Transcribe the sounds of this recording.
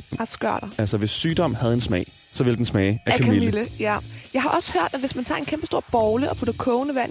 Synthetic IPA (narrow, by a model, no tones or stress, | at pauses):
ɑsɡ̥ɶɐ̰d̥ɑælsɒʋe̝sːyːd̥ɒ̽m̰hæð̞̩ˠe̝nsmɛ̰ɪ̰ | sɒ̽ʋe̝ləd̥ensmɛːɪækækʰimləjæjɑ̈ɪhɑ̈ʔɒ̽sə̥høɐ̰d̥æʋe̝smænt͡sʰɑ̈e̝nkʰemb̥əsd̥o̝ɐ̰b̥ɒʊləʔɒ̽pʰud̥ɐkʰɔʊnəʋæn̰